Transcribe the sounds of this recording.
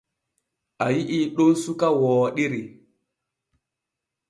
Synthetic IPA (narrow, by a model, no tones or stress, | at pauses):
ajiʔiɗonsukawɔːɗiɾi